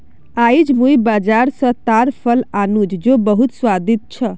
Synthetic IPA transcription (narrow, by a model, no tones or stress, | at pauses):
ajd͡ʒmũjbad͡ʒaɾsə̃t̪aɾpʰəlanud͡ʒd͡ʒobəɦut̪swad̪it̪̚t͡ʃʰə